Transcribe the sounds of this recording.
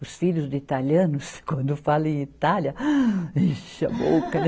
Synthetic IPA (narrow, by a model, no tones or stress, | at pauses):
ʊsfiʎʊzd̪ʊit̪aliɐ̃nʊskwɐ̃nd̪ʊfalɐ̃ẽit̪aljɐiʃɐ̰bo̰kɐn